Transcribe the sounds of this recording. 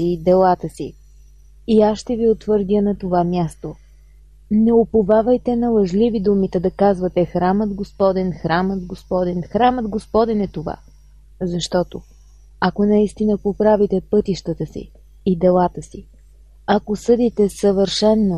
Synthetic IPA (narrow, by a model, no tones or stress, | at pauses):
id̪ɛlˠat̪əsiː | asʃt̪ɛviot̪vəɾd̪ənɐt̪ovamʲjast̪o | nɛopovavəjt̪ɛnɐlˠɐʒlivid̪umit̪ɛd̪ɐkazvət̪ɛxɾaməd̪ɡospɔd̪ɛnxɾaməd̪ɡospɔd̪ɛnxɾaməd̪ɡospɔd̪ɛnɛt̪ova̰ | zɐʃt̪ɔt̪o | ɐkonɐist̪inəpopɾavit̪ɛpɤt̪iʃt̪ət̪əsḭː | d̪ɛlˠat̪əsi | ɐkosɤd̪it̪ɛsəvəɾʃɛnːo